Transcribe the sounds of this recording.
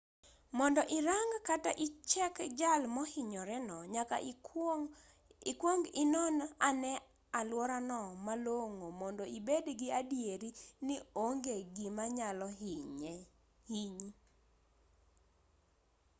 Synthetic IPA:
mɔndɔʔɪɾaŋɡkataʔɪt͡ʃɛkd͡ʒalmɔhɪɲɔɾɛnɔɲaka̰ | ɪkwoŋɡɪnɔnanɛ | alwɔɾanɔmaloŋomɔndɔibedɡɪadjeɾinɪoŋɡeɡɪmaɲalɔ | hiɲi

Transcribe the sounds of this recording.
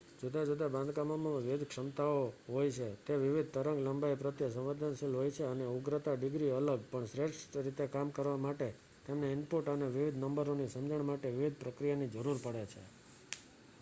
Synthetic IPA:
d͡ʒod̪ad͡ʒod̪abãnd̪ʱkamomãʋɪʋɪd̪kʂəmt̪aoɦojt͡ʃʰet̪eʋɪʋid̪̚ʱt̪əɾəŋɡləmbaipɾət̪jəsə̃mʋed̪ʱanʃilɦojt͡ʃʰeəneuɡɾət̪aɖɪɡɾiələɡ̚pəɳsɾeʈsɾit̪ekamkəɾʋamaʈe | t̪emneɪmpoʈəneʋiʋid̪ʱnəmbəɾonisəmd͡ʒəɳmaʈeʋɪʋid̪ʱpɾəkɾijanid͡ʒəɾuɾpəɽet͡ʃʰḛ

